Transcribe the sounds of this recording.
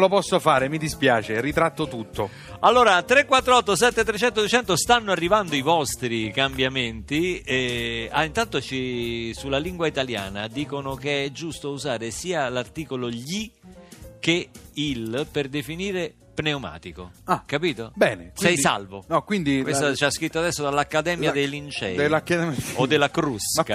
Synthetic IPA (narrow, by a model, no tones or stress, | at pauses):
lopɔsːofaːɾemid̪ispjaːt͡ʃerit̪ɾat̪ːot̪ut̪ːo | alːoːɾat̪ɾekːwat̪ːɾoɔt̪ːos̬ɛt̪ːet̪ːɾet͡ʃɛnt̪od̪uet͡ʃɛnt̪ost̪anːoarːivand̪oivɔst̪ɾikambjament̪iɛaint̪ant̪ot͡ʃisulːaliŋɡwait̪alja̰ːnad̪iːkonok̟eɛd͡ʒːust̪ouzaːɾesiːalart̪iːkoloʎi | k̟eilperd̪efiniːɾe | pneoma̰ːt̪iko̰akapiːt̪obɛːnesɛjsa̰lvonɔkwind̪ikwest̪at͡ʃaskɾit̪ːoad̪ɛsːod̪alːakːad̪ɛːmjad̪ejlint͡ʃɛ̰ːelakːaɛmod̪ːelːakɾuska